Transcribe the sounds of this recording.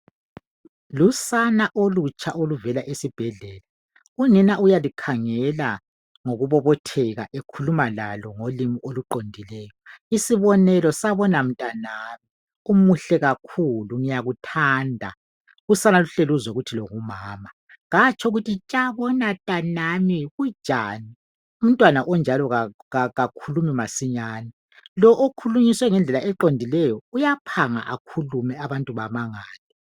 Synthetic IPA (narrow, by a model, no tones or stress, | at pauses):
lusanaʔolut͡ʃʼaʔoluvɛlaʔesib̥ʱɛɮɛːla | uninaʔujalikʰaŋɛla | ŋoɣuβɔβɔtʰɛɣa̰ʔekʰulumala̰lɔŋolimiʔoluǃondʱilɛːjɔisiβɔnɛlɔsaβɔnam̩tʼanaːβi | umuɬɛɣakʰuluŋijaɣutʰandʱa̰ | ɣusanaluɬeluzɛɣutʰiloŋumaːma | ɣat͡ʃʰʼɔuɣutʰit͡ʃʼaβɔnatʼanamiɣu̥ʒ̥ʼʱaːni | um̩tʼwanaʔɔnd͡ʒʱalɔɣa | aɣakʰulumimasiɲaːnɛ | lɔʔokʰuluɲiswɛŋɛnd͡ɮʱɛlaʔɛǃondʱilɛjɔujapʰaŋa̰ʔakʰulumɛaβantʼuβamaŋaːlɛ